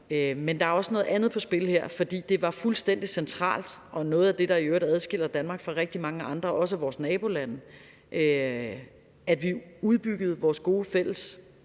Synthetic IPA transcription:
ømend̥ɑ̈æɐɒ̽sənɔ̽ð̩ˠænð̩ˠpʰɒ̽sb̥e̝lheɐ̰fɒ̽d̥ḭːd̥e̝ʋɑ̈fulsd̥en̰d̥isent͡sʰʁɑ̰̈ːld̥ʔɒ̽nɔ̽ːð̩ˠæd̥e̝ɾ̥ɑ̈iøːɐɾ̥æð̞ˠsɡ̥e̝l̰ɐd̥ænmɑ̈ːɡ̥fʁɑ̈ʁeɡ̥̚d̥imɑ̈ŋəʔɑ̈nd̥ʁɐʔɒ̽səæʋɒːsnɛːb̥o̝lænə | ʔø | æd̥ʋiuð̞ˠb̥yɡ̥əð̩ˠʋɒːsɡ̥o̝ːəfel̰əs

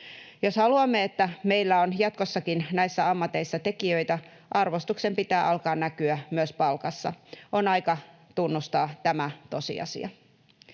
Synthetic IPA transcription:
joshɑluɑmːeet̪ːæmeilːæonjɑt̪̚kosːɑkinnæisːæɑmːɑt̪ːeisːɑt̪e̞kiøit̪æ | ʔɑrʋost̪uksempit̪æːʔɑlkɑːnnækyæmyøspɑlkɑsːɑ̰ʔonɑikɑ | t̪unːust̪ɑːt̪æmæt̪o̞sḭɑ̰sḭɑ̰

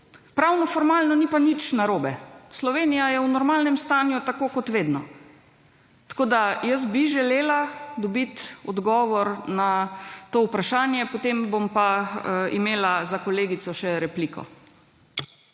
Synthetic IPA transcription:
pɾawnɔfɔɾmaːlnɔnipanit͡ʃnaɾoːbɛslɔʋeːnijajɛwnɔɾmalnɛmst̪aːnjut̪akoːkɔt̪ʋeːd̪nɔ | t̪ḁkoːd̪ajəs̬biʒɛleːlad̪ɔbit̪ɔd̪ɡɔːʋɔɾnat̪oːupɾaʃaːnjɛpot̪embompaḭmeːlazakɔleːɡisɔʃɛɾɛplikʰɔ̰

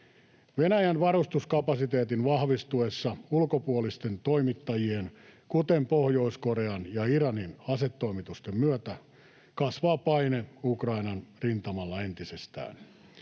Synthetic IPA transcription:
ʋenæjænʋɑɾust̪uskɑpɑsit̪e̞ːt̪inʋɑhʋist̪uesːɑulkopuolist̪e̞nt̪oimit̪ːɑjienkut̪empohjo̞isko̞ɾeɑnjɑiɾɑninɑset̪ːo̞imit̪ust̪emmyøt̪æ | kɑsʋɑːpɑineukrɑinɑnrint̪ɑmɑlːɑent̪isest̪æ̰ːn

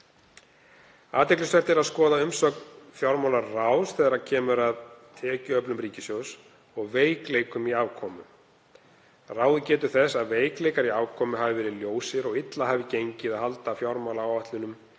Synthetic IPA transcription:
aːt̪ɛklɪsvɛr̥t̪ɪɛɾaðskɔːðaʏmsɔknfjawɾmawlaɾrawsθɛːðaɾacʰɛːmʏɾaðt̪ʰɛːcʏœpnʏmɾiːcɪsjows | ɔɣveːjkleːjkʏmiavkʰɔːmʏ | raːwðʏcɛːt̪ʏɾ̥θɛsːaðveːjklejkaɾiaːvkʰɔːmʏɦaːvɪvɛːɾɪðljoːwsɪɾɔɣɪt̪lahaːvɪcejɲcɪðaðhal̪t̪aːfjaɾmawlaawvaht̪lʏnʏm

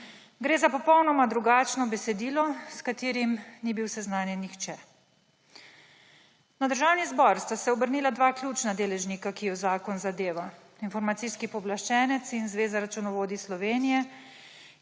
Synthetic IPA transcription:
ɡɾeːzapɔpɔwnɔmad̪ɾuɡaːt͡ʃnɔbɛsɛd̪iːlɔskat̪iːɾimnibiwsɛznaːnjɛnixt͡ʃɛ | nad̪əɾʒaːwnizbɔɾst̪asɛɔbəɾniːlad̪ʋaklʲuːt͡ʃnad̪eːlɛʒnikakijɔzaːkɔnzad̪eːʋa | infɔɾmat̪iskipɔblaʃt͡ʃɛːnɛt̪sinzʋeːzaɾat͡ʃunɔʋoːd̪islɔʋeːnijɛ

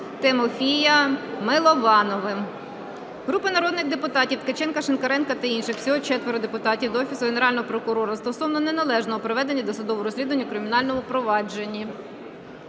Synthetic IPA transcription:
t̪emɔfʲijɐmɪlˠɔʋɑnɔʋɪ | ɦɾupɪnɐɾɔd̪nɪɣd̪epʊt̪ɑtʲiwt̪ket͡ʃɛnkɐʃenkɐɾɛnkɐt̪ɐinʃɪxwsʲɔɦɔt͡ʃɛt̪ʋeɾɔd̪epʊt̪ɑtʲiwd̪ɔfʲisʊɦeneɾɑlʲnɔɦɔpɾɔkʊɾɔɾɐst̪ɔsɔwnɔne̞nɐlˠɛʒnɔɦɔpɾɔʋɛd̪enʲːɐd̪ɔsʊd̪ɔʋɔɾɔsʲlʲid̪ʊʋɐnʲːɐkɾɪmʲinɑlʲnɔmʊpɾɔʋɑd͡ʒenʲːi

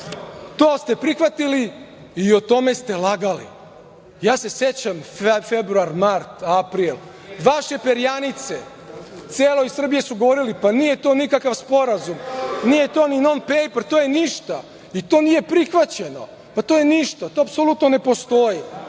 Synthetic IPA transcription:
t̪oːst̪e̞pɾixʋat̪ili | iot̪o̞me̞st̪e̞laɡalḭ | jaːse̞set͡ɕamfebɾuaɾmaɾt̪apɾilˠ | ʋaʃe̞peɾijanit̪se | t̪seːlˠo̞isr̩bije̞suɡo̞ʋo̞ɾilipanije̞t̪o̞ːnikakaʋspo̞ɾazumnije̞t̪o̞ːninonpejpɾt̪oːjeniʃt̪a | it̪o̞ːnije̞pɾixʋat͡ɕe̞no̞̰ | pat̪ojeniʃt̪at̪oːapsolut̪none̞po̞st̪o̞ji

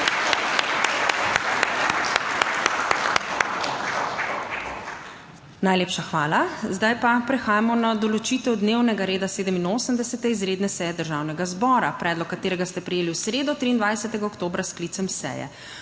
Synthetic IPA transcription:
najleːpʃaxʋaːlazd̪ajpapɾɛxaːjamɔnad̪ɔlɔt͡ʃiːt̪ɛwd̪newnɛɡaɾeːd̪aseːd̪əminoːsəmd̪ɛsɛt̪ɛizɾeːd̪nɛsɛːjɛd̪əɾʒawnɛɡazbɔɾa̰pɾɛːd̪lɔkːat̪eːɾɛɡast̪ɛpɾɛjeːliwsɾeːd̪ɔt̪ɾiːnd̪ʋajsɛt̪ɛɡaokt̪oːbɾasklit̪sɛmsɛ̰ːjɛ̰

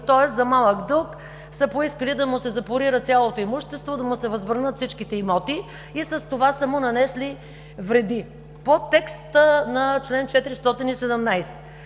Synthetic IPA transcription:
t̪ɔɛszɐmalˠəɡd̪ɤlˠk | sɐpoiskəlid̪ɐmʊsɛzɐpoɾiɾət̪sʲjalˠot̪oimuʃt̪ɛst̪vod̪ɐmʊsɛvɐzbɾnət̪fsit͡ʃkit̪ɛimɔt̪i | isɐst̪ovasəmʊnɐnɛsli | vɾɛd̪i | pot̪ːɛkst̪ənɐt͡ʃlɛnt͡ʃɛt̪iɾist̪ɔt̪inisɛd̪ɛmnajsɛ̥

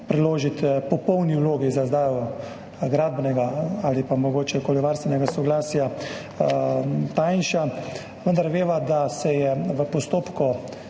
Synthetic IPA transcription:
pɾɛloːʒit̪pɔpɔwniwloːɡizazd̪aːjɔ | ɡɾaːd̪̚bnɛɡaalipamɔɡoːt͡ʃɛkoːliʋaɾst̪ʋɛnɛɡasɔɡlaːsja | t̪ajnʃa | ʋənd̪aɾʋeːʋad̪asɛjɛʋəpɔst̪oːpkɔ

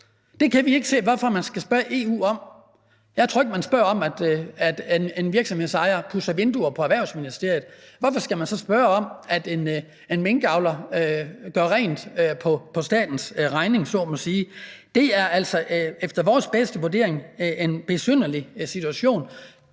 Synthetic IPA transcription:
d̥e̝kʰæʋie̝ɡ̥ə̥se̝̰ːʋɒfɒ̽mænsɡ̥æsb̥ɶɐʔe̝ːṵːɒ̽m̰ | jɑ̈ɪt͡sʰo̰ːeɡəmænsb̥ɶɐɒ̽mæd̥æd̥enenʋiɐɡ̥sɒ̽mhe̝ðˠsɑ̈ɪɐpʰusɐʋe̝nd̥uɐpʰɒ̽æʋæɐʊsminisd̥e̝ɐ̰jð̞̩ˠʋɒfɒ̽sɡ̥æmænsɒ̽sb̥ɶːɐɒ̽m̰æd̥e̝n | enmeŋɡ̥əɑ̈ʊlɐ | ɡ̥ɶɐʁɛ̰ːnd̥pʰɒ̽pʰɒ̽sd̥ɛ̰ːd̥n̩sʁɑ̈ɪne̝ŋsɔ̰ːmɒ̽siːd̥e̝æɐæl̰sɒʔefd̥ɐʋɒːsb̥esd̥əʋuɐd̥e̝̰ɐ̰eŋʔenb̥e̝sønɐlisit͡sʰuæɕo̝̰ːn

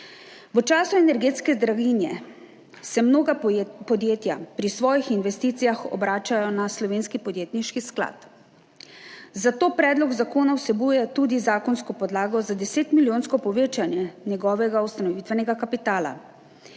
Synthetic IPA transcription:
ʋət͡ʃaːsuɛnɛɾɡeːt̪skɛzd̪ɾaɡinjɛ | sɛmnoːɡapɔd̪jeːt̪japɾisʋɔːjixinʋɛst̪iːt̪sijaxɔ̰bɾaːt͡ʃajɔnaslɔʋeːnskipɔd̪jeːt̪niʃkiskla̰t̪ | zat̪oːpɾɛːd̪lɔɡzakoːnawsɛbuːjɛt̪ud̪izaːkɔnskɔpɔd̪laːɡɔzad̪ɛseːt̪miljoːnskɔpɔʋeːt͡ʃanjɛnjɛɡɔːʋɛɡawst̪anɔʋiːt̪ʋɛnɛɡakapit̪aːla̰

